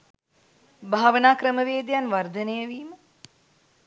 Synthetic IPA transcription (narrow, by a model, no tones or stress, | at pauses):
bʱaːʋənaːkɾəməʋeːd̪janʋɐɾd̪ʱɐnəjəʋiːmə